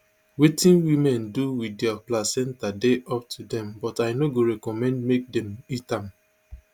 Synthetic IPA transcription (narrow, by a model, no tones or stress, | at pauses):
wetĩnwimɛ̃nduwidɛaplasɛ̃ntadeʔɔp̚tʰudɛ̃mbɔtajnoɡoɹɛkɔmɛ̃ndmek̚dɛ̃mitãm